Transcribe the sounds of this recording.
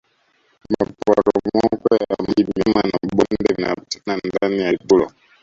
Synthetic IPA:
mmapuaɾɔmɔkwɛjamimimanaɓɔndɛna̰nandanijatulɔ

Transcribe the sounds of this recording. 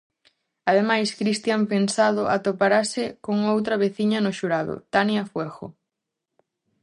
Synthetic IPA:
aðemajskɾist̪jampensað̞ʊʔat̪opaɾasɪkoŋowt̪ɾɐβeθiɲɐnʊʃuɾaðʊ̰t̪anjafwɛɣʊ̰

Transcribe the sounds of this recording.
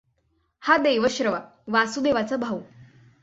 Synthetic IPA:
had̪eʋəɕɾəʋa | ʋasud̪eʋat͡səbʱaʋ

